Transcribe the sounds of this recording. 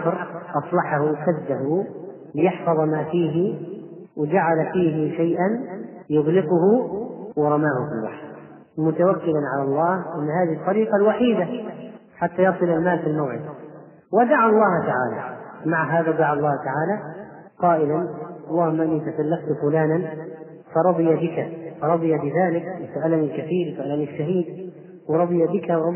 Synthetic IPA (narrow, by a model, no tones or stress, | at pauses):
ɾʔɑsˤlɑħahuwsad̪ːaɦu | lɪjɪħfɑðˤmaːfiːɦɪ | wɪd͡ʒaʕalfiːɦɪʃajʔan | jʊɣlɪqʊhuwɪɾˤɑmaːhʊfɪlwa̰ħɾ | mʊt̪awakːɪlanʕalɑlˤːɑːhʔɪnːhaːðiht̪ˤːɑɾiːqɑlwaħiːd̪a | ħat̪ːajɑsˤɨlalmaːlfilmawʕɪd̪̚ | wɪd̪aʕalˤːɑːht̪aʕa̰ːla̰maʕɦaːðad̪aʕɑlˤːɑːht̪aʕaːlaqɑːʔɪlanʔɑlˤːɑːhʊmːaʔɪnːit̪asalːaft̪fʊlaːnan | fɑɾˤɑd̪ˤɨjabɪkafɑɾˤɑd̪ˤɨjabɪðaːlɪkwɪsaʔalanilkaθiːɾwɪsʔalaniʃːaɦiːd̪̚ | wɪɾˤɑd̪ˤɨjabɪkawɾɑ